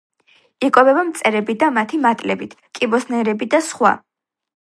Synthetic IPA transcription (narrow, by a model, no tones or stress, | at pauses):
ikʼɔbɛbamt̪sʼɛɾɛbid̪amat̪ʰimat̪ʼlɛbit̪ʰkʼibɔsnɛɾɛbid̪asχwa̰